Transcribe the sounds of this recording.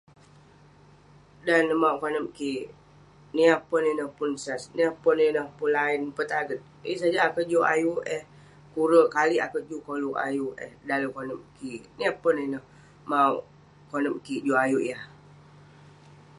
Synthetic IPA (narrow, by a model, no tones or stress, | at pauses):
danːəmauʔkonəp̚ki | niahpəninəhpunsasniapəninəhpunlainpət̪aɡət̪̚ | əsad͡ʒaːkəʔd͡ʒuʔa̰juɛh | kuɾəʔkalia̰kəʔ̚d͡ʒukoluʔa̰juʔɛ̰hdaləkonəp̚kiniapənenəh | mauʔ | konəm̚kid͡ʒuajuʔjah